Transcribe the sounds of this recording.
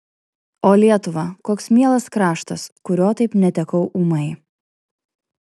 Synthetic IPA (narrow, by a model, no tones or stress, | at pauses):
oːlʲiɛt̪ʊʋɐkoːksmʲiɛlˠɐskɾɑːʃt̪ɐskʊɾʲoːt̪ɐɪpnʲɛt̪ʲɛkɐʊʔuːmɐɪ